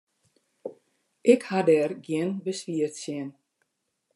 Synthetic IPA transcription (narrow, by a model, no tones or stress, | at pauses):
ʔɪkhadɛːrɡjɪnbəsʋiərtsjɪn